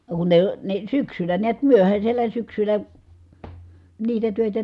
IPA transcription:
no kun ne ne syksylæ niæt myøhæsʲelːæ syksylæ niːtæ tøˑetæ

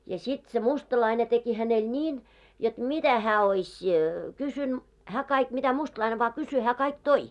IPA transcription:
jɑ sit se mustɑlɑine teki hænel nʲiːn jot mitæ hæː oisʲ kysyn hæː kɑik mitæ mustlɑine ʋɑː kysy hæː kɑik toi

